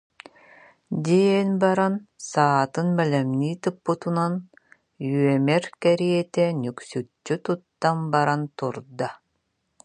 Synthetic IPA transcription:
d̪iɛnbaɾansaːt̪ɯnbɛlɛmniːt̪ɯpːɯt̪unan | yœmɛɾkɛɾiɛt̪ɛnyksyt͡ʃːyt̪ut̪ːambaɾant̪uɾd̪a

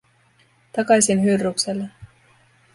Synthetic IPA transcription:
t̪ɑkɑjsinɦyrːukselːɑ

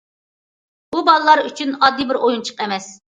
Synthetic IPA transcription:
bubɑlˠəlˠɑɾyt͡ʃʰynɑd̪ːibɪɾojunt͡ʃʰə̥qɛmɛs

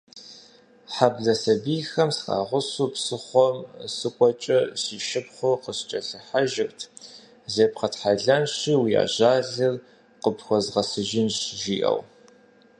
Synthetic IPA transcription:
ħabɮɐsɐbiːxɐmsqʼa̰ːʁʷʊsupsɨχʷɔmsɨkʷʼɔt͡ʃʼɐsiːʃɪpχʷʊqəst͡ʃʼɐɬɨħaʒɪxtʰ | zeːpqɐtħaɮɐnɕiwija̰ːʑaːɮɨr | qəpxʷɔzʁɐsɨʒɪnɕʒiːʔɐ̰w

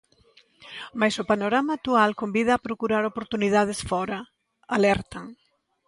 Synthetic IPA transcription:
majsopanoɾamaːk̚t̪ualkombið̞ɐːpɾokuɾaɾopoɾt̪uniðað̞esfɔɾɐ | alɛɾt̪aŋ

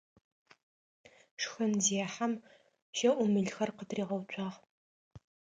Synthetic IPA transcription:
ʂxɨnziħam | ʃɐʔʷʊmɨɮxɐrqətʰriːʁɐwt͡ʃʷʰʼɑʁ

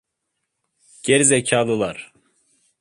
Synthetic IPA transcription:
ɟ̥eɾizecʰaːlˠɯlˠaɾ̥

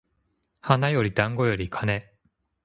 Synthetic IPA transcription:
hanajo̞ɾʲid̪ãŋɡo̞jo̞ɾʲikʰane̞

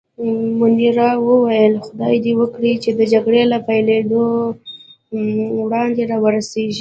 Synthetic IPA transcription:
mʊniɾɑwəwajəlxʊd̪ɑjd̪iwəkɽit͡ʃed̪əd͡ʒaɡɽelapajled̪o | wɽɑnd̪eɾɑwəɾaseʒi

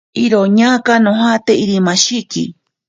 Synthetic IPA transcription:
iɾoɲakanõɦat̪eiɾimãʃikḭ

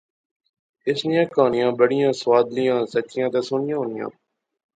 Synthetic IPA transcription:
ɪsnɪjãːkaːnɪjãːbəɽɪjãːsʋaːd̪lɪjãːsəkɪjãːt̪eːsoːnɪjãːɦoːnɪjã̰ː

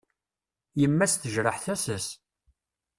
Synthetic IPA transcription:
jəmːæsθəʒɾəħθæsəs

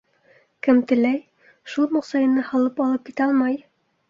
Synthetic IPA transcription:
kɘmt̪ɘ̆læj | ʃulˠmŏqsɑjɤ̆nɤhɑlˠɤpɑlˠɤp̚kit̪æɑlˠmɑj

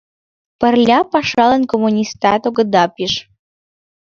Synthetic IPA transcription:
pərlʲapaʂalənkomunʲist̪at̪oɡɨd̪apiʂ

